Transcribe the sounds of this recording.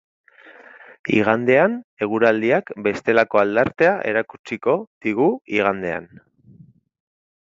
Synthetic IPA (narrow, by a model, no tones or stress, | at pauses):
ḭɣand̪e̞ane̞ɣ̞uɾald̪iakbe̞st̪e̞lako̞ald̪aɾt̪e̞aʔe̞̰ɾakut͡siko̞ð̥iɣuiɣ̞and̪e̞a̰n